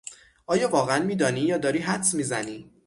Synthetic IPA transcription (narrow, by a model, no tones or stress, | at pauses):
ʔɒːjɒːvɒːɣeænmiːd̪ɒːniːjɒːd̪ɒːɾiːɦæt̪smiːzæniː